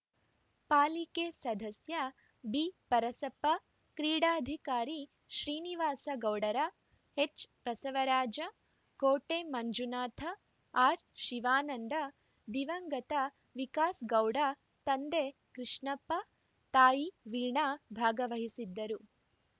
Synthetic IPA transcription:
paːlikeːsɐd̪ʱɐsjɐ | bipɐɾɐsɐpːɐ | kɾiːɽaːd̪ʱikaːɾi | ʃɾiːniʋaːsɐɡɐwɽɐɾɐ | et͡ʃbɐsɐʋɐɾaːd͡ʒɐ | koːʈeːmɐɲd͡ʒunaːt̪ʰɐ | aːɾʃiʋaːnɐnd̪ɐ | d̪iʋɐŋɡɐt̪ɐ | ʋikaːsɡɐwɽɐ | t̪ɐnd̪eː | kɾiʂɳɐpːɐ | t̪aːjiʋiːɳabʱaːɡɐʋɐɦisid̪ːɐɾu

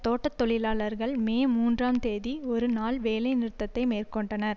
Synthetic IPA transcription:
t̪oːʈːɐt̪ːɔɭɪlaːɭɐɾɣɐɭmeːmuːndraːmt̪eːðiɔɾɯnaːlʋeːlɐɪnɪɾɯt̪ːɐt̪ːɐɪmeːrkɔɳɖɐnɐɾ

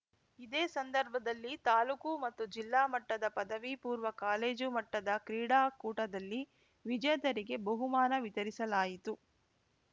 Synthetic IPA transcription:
id̪eːsɐnd̪ɐɾbʱɐd̪ɐlːit̪aːlukumɐt̪ːud͡ʒilːaːmɐʈːɐd̪ɐpɐd̪ɐʋipuːɾʋɐkaːleːd͡ʒumɐʈːɐd̪ɐkɾiːɽaːkuːʈɐd̪ɐlːi | ʋid͡ʒɐjɐd̪ɐɾiɡe̞bɐɦumaːnɐʋit̪ɐɾisɐlaːjit̪u

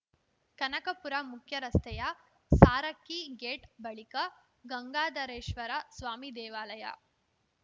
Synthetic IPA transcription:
kɐnɐkəpuɾamukʰjɐɾɐst̪ɐja | saːɾəkːiːɡeʈbəɭikə | ɡəŋɡaːd̪ɐɾeːɕʋəɾasʋaːmiːd̪eːʋaːləja̰

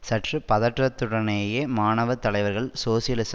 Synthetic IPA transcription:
sɐʈrɯpɐðɐʈrɐt̪ːɯɽɐnɐjemaːnɐʋɐt̪ːɐlɐɪʋɐɾɣɐɭsoːsɪjɐlɪs

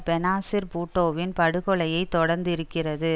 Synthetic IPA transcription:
pɛnaːsɪɾpuːʈːoːʋɪnpɐɽɯɣɔɭɐjɐɪt̪ːɔɽɐɾnd̪ɪɾɯkːɪrɐðɯ

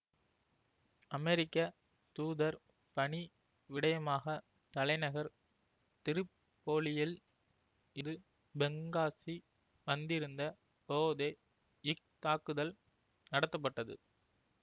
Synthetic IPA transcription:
ɐmɛɾɪkːɐ | t̪uːðɐɾ | pɐɳi | ʋɪɽɐjɐmaːɣɐ | t̪ɐlɐɪnɐɣɐɾ | t̪ɪɾɯpː | oːlɪjɪl | ɪðɯ | bɛŋɡaːsi | ʋɐnd̪ɪɾɯnd̪ɐ | poːðe | ɪk̚t̪aːkːɯðɐl | nɐɽɐt̪ːɐp̬ːɐʈːɐðɯ̰

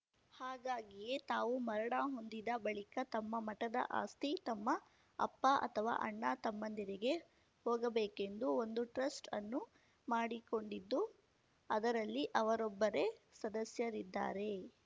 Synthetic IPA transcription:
haːɡaːɡije̞t̪aːʋumɐɾɐɽaːɦo̞nd̪id̪ɐbɐɭikɐt̪ɐmːɐmɐʈɐd̪ɐ̰ʔa̰ːst̪it̪ɐmːɐ | ɐ̰pːaʔɐ̰t̪ʰɐʋa̰ːʔɐɳːaːt̪ɐmːɐnd̪iɾiɡe̞ | hɔːɡɐbeːke̞nd̪uo̞nd̪uʈɾɐsʈɐnːu | maːɽiko̞ɳɖid̪ːu | ɐd̪ɐɾɐlːiʔɐʋɐɾɔbːɐɾe̞sɐd̪ɐsjɐɾid̪ːa̰ːɾe̞

